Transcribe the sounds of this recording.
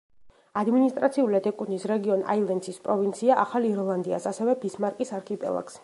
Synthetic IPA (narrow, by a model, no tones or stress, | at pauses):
ad̪minist̪ʼɾat̪sʰiuliad̪ɛkʼunisɾɛɡiɔna̰ilˠɛnd̪sispʼɾɔvint̪sʰiaʔaχaliɾɔlˠand̪ia̰sasɛvɛbismaɾkʼisaɾkʰipʼɛ̰lˠa̰ks